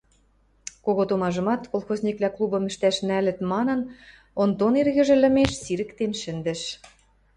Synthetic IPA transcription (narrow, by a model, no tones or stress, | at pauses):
koɣot̪omɑʒɤ̆mɑt̪kolˠxozʲnʲiklʲɑklˠubɤ̆mɘ̆ʃt̪æʃnælɘ̆t̪mɑnɤ̆n | ond̪onerɣɘ̆ʒɘ̆lə̆meʃsiɾɘ̆kt̪enʃɘ̆nd̪ɘ̆ʃ